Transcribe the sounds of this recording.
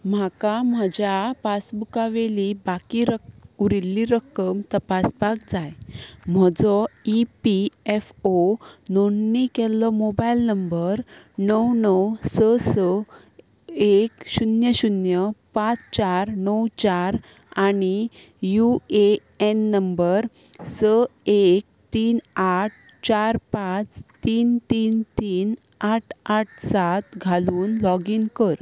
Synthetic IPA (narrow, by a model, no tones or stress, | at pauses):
m̤akam̤ad͡ʑjapasbukaʋelibakiɾəuɾilːiɾəkəmt̪əpasbakd͡zajm̤əd͡zɔipiefononːikɛlɔmobailnəmbəɾ | nəwnəwsəsə | ekɕunjəɕunjəpãt͡st͡ɕaɾnəwt͡ɕaɾ | añi | jue | enːəmbəɾ | səek̚t̪iːnaʈ̚ | t͡ɕaɾpãt͡st̪iːnt̪iːnt̪iːn | aʈʰaʈ̚ʰsat̪ɡʱaluːnlɔɡinkəɾ